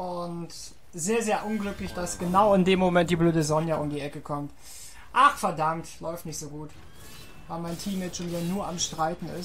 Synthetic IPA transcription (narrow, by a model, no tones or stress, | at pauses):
ʔʊnt | zeːɐzeːɐʔʊnɡlʏklɪçd̥asɡ̥ənaʊɪndeːmːomɛnt̚d̥iːbløːdəzɔnjaʔʊmdiːʔɛkəkʰɔmt | ʔaχfɛɐdamtlɔʏftnɪçtz̥oːɡuːt | vaɪmaɪntʰiːmɛt͡ʃoniaɐnuːɐʔamʃtʁ̥aɪtn̩ɪ̰s